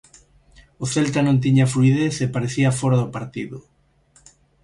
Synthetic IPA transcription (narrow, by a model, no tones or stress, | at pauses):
ʊθelt̪anõnt̪̬iɲafluiðeθepaɾeθiafɔɾaðʊpaɾt̪iðʊ